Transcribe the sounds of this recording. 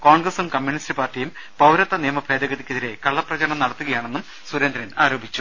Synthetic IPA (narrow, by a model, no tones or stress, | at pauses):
ko̞ːɳɡrɐsumkɐmːjuɳistɨpaːrtijum | pɐwɾɐt̪ːɐnijɐmɐbʰʱeːd̪ɐɣɐðikʲːeðiɾe̞kɐɭːɐprɐt͡ɕɐɾɐɳɐmnɐɽɐt̪ːuɣɐjaːɳe̞nːum | suɾend̪ɾɐnaːɾo̞ːbʱit͡ɕːu̥